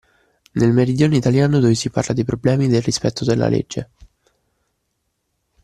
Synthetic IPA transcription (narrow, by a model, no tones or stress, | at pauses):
nelmeɾid̪joːnoit̪aljaːnod̪ɔisiparlad̪ipɾoblɛːmid̪elrispɛt̪ʰːod̪elːa̰lḛd͡ʒːe